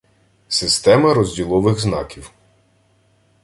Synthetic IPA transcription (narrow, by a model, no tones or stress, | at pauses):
sɪst̪ɛmɐɾɔzʲdʲilˠɔʋɪɣznɑ̰kʲiw